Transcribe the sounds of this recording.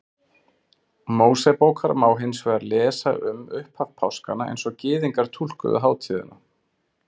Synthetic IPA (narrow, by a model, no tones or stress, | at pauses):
moːwsɛpoːwkʰaɾmaːwɦɪnsvɛaɾlɛːsaʔʏmʏhpʰhafpʰawskanaḛjnsɔɣcɪːðiŋkaɾ̥t̪ʰul̥kʏ̰ðʏ̰ɦaːwt̪ʰiːðɪ̰na